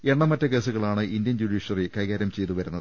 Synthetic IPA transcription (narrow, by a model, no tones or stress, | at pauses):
e̞ɳːɐmɐtːɐke̞ːsuɣɐɭaːɳɨʔind̪jɐnd͡ʑuɽiːʂɐrikɐjɣaːɾɐmt͡ɕe̞jt̪uʋɐɾunːɐðɨ